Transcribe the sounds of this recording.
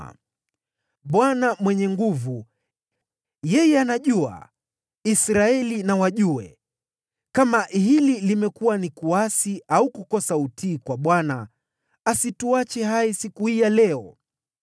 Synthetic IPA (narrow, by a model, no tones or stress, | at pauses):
ɓwanamwɛɲɛŋɡuvu | jɛjɛanaʄua̰ | isɾaɛlinawaʄuɛ̰ | kamaʔɦililimɛkuwanikuasiaukukɔsautiːkwaɓwana | asituat͡ʃɛhaisikuhijalɛɔ